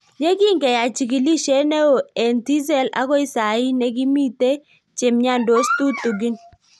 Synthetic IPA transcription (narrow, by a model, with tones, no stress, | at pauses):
ɲe˦ɡɪ˦ŋɡɛ˨ja˨t͡ʃi˨ki˨li˦ʃe˦nɛ˦o˨e˨nti˦zɛ˦˨la̰˨˦kɔ˦ɪ˦sa˨ɪ˦nɛ˦ɡɪ˦mi˦te˦ | t͡ʃe˨mɲa˦˨ndo˨˦stu˦tu˨ɡi˦n